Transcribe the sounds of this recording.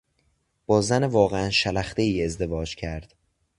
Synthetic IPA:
b̥ɒːzænevɒːɣeænʃælæxt̪eiːe̞zd̪e̞vɒːd͡ʒcʰæɾd̪̥

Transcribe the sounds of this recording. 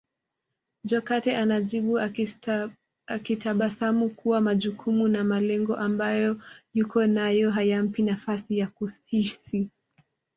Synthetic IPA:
d͡ʒɔkatɛʔanaʄiɓu | akitaɓasamukuwamaʄukʰumunamalɛŋɡɔʔambajɔjukɔnajɔɦajam̩pinafasijakusisi

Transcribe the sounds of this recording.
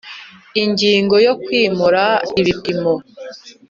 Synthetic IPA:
iɲɟiːŋɡo̞jo̞kwiːmuɾaiβipimo

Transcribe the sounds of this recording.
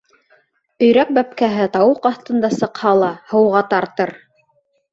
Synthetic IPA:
ɵ̆jɾæp̚bæp̚kæɦɘt̪ɑwɤqɑθt̪ɤ̆nd̪ɑsɤ̆qhɑlˠɑhɤ̆wʁɑt̪ɑɾt̪ɤɾ

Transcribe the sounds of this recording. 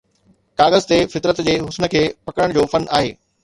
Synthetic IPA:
kaːɣəzt̪efɪt̪ɾət̪d͡ʑeːɦʊsnə̆kʰeːpɐkəɽəɽ̃d͡ʑoːfɐna̰ːɦḛː

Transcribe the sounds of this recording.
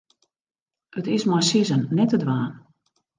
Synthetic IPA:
ətɪsmasizənːɛtədʋaːn

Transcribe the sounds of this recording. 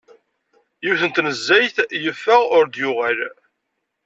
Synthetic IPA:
jiwθənt̪nəzːæjθjəfːəʁʊɾd̪jʊʁæl

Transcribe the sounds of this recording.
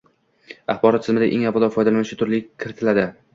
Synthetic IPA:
ɑχbɒɾɒt̪̚ːʰɪzmɪd̪a̰ʔeŋabɒlˠɒfɒjd̪alanɪʃɪt̪ʰʊɾlɪkʲʰːɪɾɪt̪ʰɪlad̪ɪ

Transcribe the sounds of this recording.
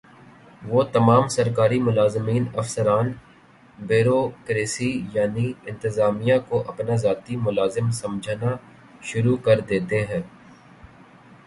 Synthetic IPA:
ʋoːt̪ɐmaːmsɐɾkaːɾimʊlaːzmiːnɐfsəɾaːn | beːɾoːkɾeːsijaːniɪ̃nt̪ɪzaːmijãkoʔɐpnazaːt̪imʊlaːzɪmsɐ̃md͡ʒʱna | ʃʊɾukɐɾd̪eːt̪eɦɛ̃ː

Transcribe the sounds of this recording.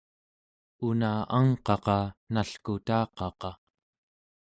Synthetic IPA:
unaaŋqɑqɑnaɬkut̪ɑːqɑqɑ

